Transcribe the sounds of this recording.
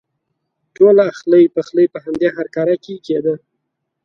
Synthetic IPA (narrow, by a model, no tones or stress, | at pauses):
ʈolaaxləjpəxləjpəhamd̪eɦaɾkɑɾakeked̪ə